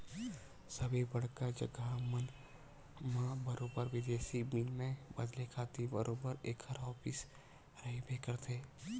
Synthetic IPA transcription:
səbibɐɽkad͡ʒə̰ɡamən | mãbəɾoːbəɾʋɪd̪eːsibinmẽbəd̪lekʰaːt̪ibəɾʔoːbəɾeːkʰəɾɦɔːpɪs | ɾəɦebʱekəɾt̪ʰeː

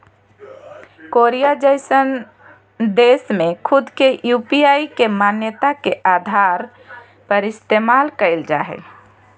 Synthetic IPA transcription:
koɾijad͡ʒəɪsən | d̪esmẽkʰʊd̪ʱkeʔjupiaikemanjət̪akeʔad̪ʱaɾ | pəɾɪst̪emalkəɪld͡ʒaɦɛ̰

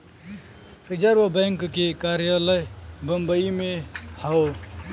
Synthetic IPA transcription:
ɾid͡ʒəɾʋəbəŋkkekaɾjələjbəmbəimehao

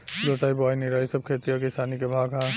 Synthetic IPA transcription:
ɡot̪aːibaːiniɾaːisəb̚kʰet̪ijokesaːnikebʱaːɡɦã

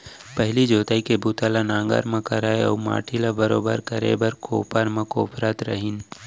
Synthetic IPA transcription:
pəɦɪlid͡ʒoːt̪aːikebuːt̪alanãːŋɡa̰ɾmãkɐɾaːeɔ̰ːma̰ːʈʰilabɐɾoːbəɾkɐɾḛbɐɾkoːpaɾmãkoːpɾaːt̪ɾɐ̰ɦɪn

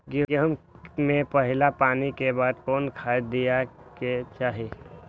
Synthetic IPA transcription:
ɡəɦmmẽpəɦɪlapaːnikebaːd̪kɔːnkʰaːd̪ijaket͡ʃaːɦe

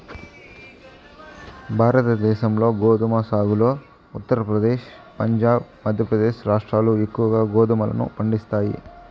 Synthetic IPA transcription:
bʱaːɾɐt̪ɐd̪ɛːʃɐmlo̞ːɡoːd̪umasaːɡulo̞ː | ut̪ːɐɾɐpɾɐd̪eːʃ | pɐɲd͡ʒaːb̚mɐd̪ʱjɐpɾɐd̪eːʃɾaːʂʈɾaːlue̞kːuʋɐɡaːɡoːd̪umɐlɐ̰nṵpɐɳɖist̪aːjḭ

